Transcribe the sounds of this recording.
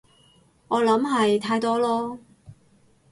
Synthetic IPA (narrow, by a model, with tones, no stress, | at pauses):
ʔɔː˨˧lɐ˨˥mɦɐ˨jt̪ʰaː˧jt̪ɔː˥lɔː˥